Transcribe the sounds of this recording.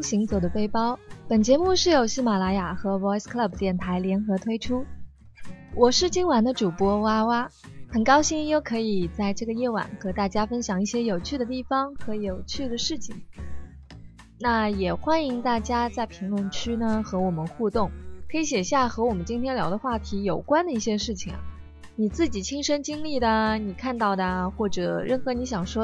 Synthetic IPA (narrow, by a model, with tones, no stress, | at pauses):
ɕi˧˥ŋt͡sɤ˨˩d̪ə˦fe˥ɪpɑ˥ʊpə˨˩nt͡ɕjɛ˧˥mu˥˧ʂɻ̩˥˩jo˨˩ʊɕi˥ma˨˩la˧˥ja˨˩xɤ˧˥wɔ˧˥skʰla˥˩b̚t̪jɛ˥˩nt̪ʰa˧˥ɪljɛ˧˥nxɤ˧˥t̪ʰwe˥ɪʈ͡ʂʰu˥ | wʔɔ˨˩ʂɻ̩˥˧t͡ɕi˥nwa˧˥nd̪ə˧ʈ͡ʂu˨˩pwɔ˥wa˥wa˥ | xə˨˩nkɑ˥ʊɕi˥njo˥˩ʊkʰɤ˧˥i˨˩t͡sa˥˧ɪʈ͡ʂɤ˥˩ɡə˩jɛ˥˩wa̰˨˩˦nxɤ˧˥t̪a˥˩t͡ɕja˥fə˥nɕjɑ˨˩ŋi˥˩ɕjɛ˥jo˨˩ʊt͡ɕʰy˥˩d̪ə˩t̪i˥˩fɑ˩ŋxɤ˧˥jo˨˩ʊt͡ɕʰy˥˩d̪ə˩ʂɻ̩˥˩t͡ɕʰḭ˨˩ŋ | na˥˩jɛ˨˩xwa˥ni˧˥ŋt̪a˥˩t͡ɕja˥t͡sa˥˩ɪpʰi˧˥ŋlʊ˧˥ŋt͡ɕʰy˥nə˨xɤ˧˥wɔ˨˩mə˦nxu˥˧t̪ʊ˥˩ŋkʰɤ˧˥i˧˥ɕjɛ˨˩ɕja˥˩xɤ˧˥wɔ˨˩mə˦nt͡ɕi˥nt̪ʰjɛ˥nljɑ˧˥ʊd̪ə˧xwa˥˩t̪ʰi˧˥jo˨˩ʊkwa˥nd̪ə˨i˥˩ɕjɛ˥ʂɻ̩˥˩t͡ɕʰi˨˩ŋɐ̰˩ | ni˨˩t͡sɹ̩˥˩t͡ɕi˨˩t͡ɕʰi˥ŋʂə˥nt͡ɕi˥ŋli˥˩d̪ə˩ni˨˩kʰa˥˧nt̪ɑ˥˩ʊd̪ə˩xwɔ˥˩ʈ͡ʂɤ˨˩ɻə˥˩nxɤ˧˥ni˧˥ɕjɑ˨˩ŋʂwɔ˥